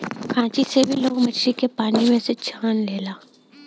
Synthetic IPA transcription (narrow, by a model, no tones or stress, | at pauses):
kʰãːt͡ʃisebʱiloːɡmɐt͡ʃʰɾikepaːnimẽset͡ʃʰaːnleːlaː